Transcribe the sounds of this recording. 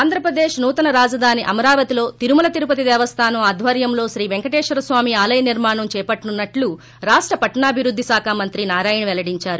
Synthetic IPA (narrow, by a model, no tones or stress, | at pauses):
aːnd̪ɾɐpɾɐd̪eːʃnuːt̪ɐnɐɾaːd͡ʒɐd̪ʱaːniʔɐmɐɾaːʋɐt̪ilo̞ːt̪iɾumulɐt̪iɾupɐt̪id̪ɛːʋɐst̪ʰaːnɐmaːd̪ʱʋɐɾjɐmlo̞ːʃɾiːʋeŋkɐʈeːʂʋɐɾɐsʋaːmiaːlɐjɐniɾmaːɳɐmt͡ʃɛːpɐʈːnunːɐʈlu | ɾaːʂʈɾɐpɐʈɐɳaːbʱiɾud̪ʱːisaːkʰaːmɐnt̪ɾinaːɾaːjɐɳʋɛlɐɽiɲt͡ʃaːɾu